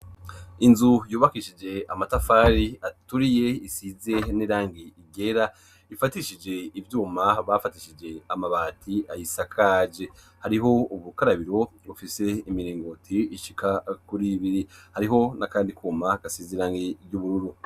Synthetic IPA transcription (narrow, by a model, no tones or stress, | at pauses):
inzujuːβakiʃid͡ʒe̞amatafaːɾiatuɾije̞isize̞niɾaːŋɡiiɡe̞ɾa | ifatiʃid͡ʒe̞ivjuːmaβafatiʃid͡ʒe̞amaβaːtʰiajisakʰad͡ʒe | haɾiɦo̞uβukaɾaβiɾo̞βufise̞imiɾiːŋɡotʰiiʃikakuɾiβiɾihaɾiɦo̞nakaːndikʰuːmaɡ̥asiziɾaːŋɡiɾɟuβuɾuɾu